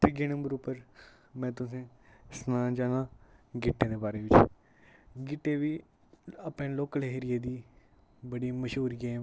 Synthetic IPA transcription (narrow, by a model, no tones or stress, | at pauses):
t̪ɪɡeːnə̃mbəɾupəɾ | mɛ̃ːt̪ʊsẽːsnãːd͡ʒaːnãːɡɪʈːẽːd̪eːbaːɾeːʋɪt͡ʃ | ɡɪʈːeːʋiː | apnẽːloːkəleɦɾijeːd̪iː | bəɽiːməʃɦuːɾɡeːm